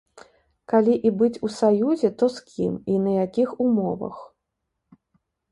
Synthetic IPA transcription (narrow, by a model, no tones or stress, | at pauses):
kalʲiʔibɨt͡sʲusajuzʲɛt̪ɔskʲiminɐjakʲixumɔ̰vɐ̰x